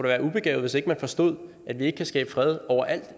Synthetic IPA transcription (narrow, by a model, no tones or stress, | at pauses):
oɾeʋæːɐub̥e̝ɡ̥ɛ̰ːʊð̩ˠʋe̝se̝ɡ̥əmænfɒ̽sd̥o̝̰ð̰ˠ | ʔæd̥ʋie̝ɡ̥əkʰæsɡ̥ɛ̰ːb̥əfʁɛð̞ˠɒʊ̰ɐʔæl̰d̥